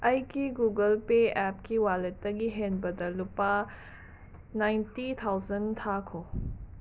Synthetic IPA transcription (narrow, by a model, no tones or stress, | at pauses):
ɐjɡiɡuɡɐlpeɛp̚kiwalet̚ːɐɡiɦenbɐdɐlupa | najntit̪ʰawzɐnt̪ʰakʰo